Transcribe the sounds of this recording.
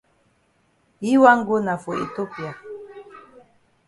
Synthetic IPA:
ji˦wa˦ŋ˦ɡo˦na˨fo˨ḛ˨t̪o˦pja˨

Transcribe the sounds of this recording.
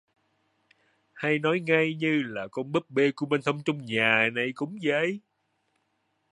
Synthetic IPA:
ha˧jnɔ˨˦jŋa˧jɲɨ˧laː˨˩kɔ˧nɓɨ˦˥k̚ɓe˧ku˧˩əme˧nt̪ʰə˧wŋ͡mt͡ɕʊ˧ŋ͡mɲaː˨˩na˨˩jkʊ˨˦ŋ͡mzəː˨˦j

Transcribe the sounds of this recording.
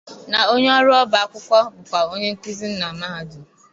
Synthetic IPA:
na˨o˦ɲe˦ɔ˦ɾʊ˦ɔ˦ba˨a˦kʷʊ˦kʷɔ˦bʊ˨kʷa˨o˦ɲe˦ŋ̩˦ki˦zi˦n̩˦na˨ma˦ɦa˨dʊ˨

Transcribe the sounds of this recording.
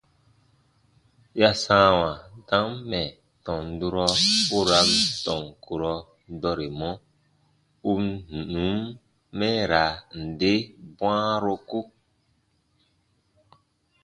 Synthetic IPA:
ja˦sãː˦wã˨dã˨˦mːɛ˨ | tɔ̃˨n̩˨˦du˦ɾɔ˧u˦ɾa˨˦mtɔ˨ŋku˨ɾɔ˨˦ | dɔ˦ɾe˨mɔ̃˦ | u˦mnu˨nũ˨˦mː | ɛ̃˦ɾa˨n̩˨de˦bw̃ã˦ɾo˦ku˦

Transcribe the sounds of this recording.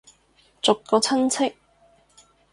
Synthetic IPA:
t͡sʊ˨kkːɔː˧t͡sʰɐ˥nt͡sʰɪ˥k̚

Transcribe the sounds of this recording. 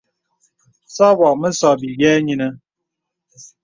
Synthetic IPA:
sɔ˦bɔ˨k̚mə˦sɔ˦bi˨ɡɛː˦ɲi˦nə˦

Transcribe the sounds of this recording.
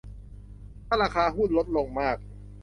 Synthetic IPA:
aː˥˩ɾaː˧kʰaː˧ɦuː˥˩nlo˦˥t̪̚lo˧ŋmaː˥˩k̚

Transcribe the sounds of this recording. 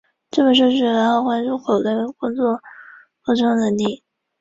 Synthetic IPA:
ʈ͡ʂɤ˥˩mə˩ʂ̬o˥˧ʊʂɻ̩˥˩ɻa˧˥nxo˥˩ʊkwa˥nʈ͡ʂu˥˩xʰo˨˩lə˥kʊ˥ŋt͡swɔ˥˩ | ko˧˥ʈ͡ʂʰɤ˥ŋnə˧˥nli˥˩

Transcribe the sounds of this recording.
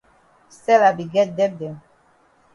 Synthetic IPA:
sɛ˦la˨bi˨ɡɛ˦dɛ˦b̚dɛ˨m

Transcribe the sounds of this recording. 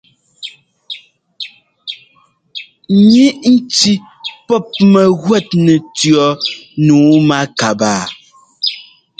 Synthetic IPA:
ɲi˦ʔn̩˦ti˦ | pɔ˦˨p̚mɛ˨ɣwɛ˦˨t̚nɛ˨tɥɔ˨˦nuː˨˦ma˦ka˨baː˨

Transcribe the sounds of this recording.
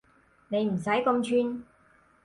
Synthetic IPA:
ne˨˧jm̩˨˩sɐ˨˥jkɐ˧mt͡ʃʰyː˥˧n

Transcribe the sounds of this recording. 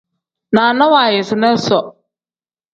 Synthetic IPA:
naː˨na˦waː˨jɪ˨sɪ˨nɛ˦sɔ˨

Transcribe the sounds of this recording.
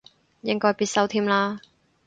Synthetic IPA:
jɪ˧ŋkɔː˧jpiː˧t̚sɐ˧wt̪ʰiː˧˥mlaː˧

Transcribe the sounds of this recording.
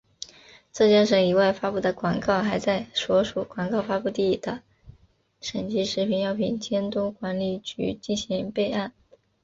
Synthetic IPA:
t͡sɤ˥˧˩t͡ɕja˥ʂɤ˥˩i˧˥wa˥˩ɪfa˥pu˥˩d̪ə˩kwɑ˨˩ŋkɑ˥˩ʊxa˧˥ɪt͡sa˥˩ɪʂwɔ˧˥ʂu˨˧˩kwa˨˩ŋkɑ˥˩ʊfa˥pu˥˧t̪i˥˩d̪̥ə˦ | ʂə˨˩nt͡ɕi˧˥ʂɻ̩˧˥pʰi˧˥njɑ˥˩ʊpʰi˨˩nt͡ɕjɛ˥nt̪ʊ˥kwa˧˥nli˨˩t͡ɕy̰˧˥t͡ɕi˥˩nɕi˧˥ŋpe˥˧ɪa˥˩n

